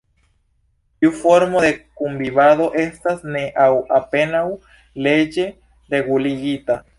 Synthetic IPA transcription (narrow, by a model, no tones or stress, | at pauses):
iufo̞ɾmo̞d̪e̞kumbiβaðo̞ʔe̞stasne̞ʔawape̞naw | le̞d͡ʒe̞ | ɾe̞ɡuliɡita